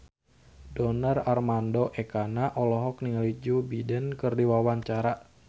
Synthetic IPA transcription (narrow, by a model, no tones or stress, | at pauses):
dɔnərarmandoʔɛkanaʔɔlɔɦɔk̚niŋalid͡ʒubidənkɨrdiwawaɲt͡ʃaɾaʔ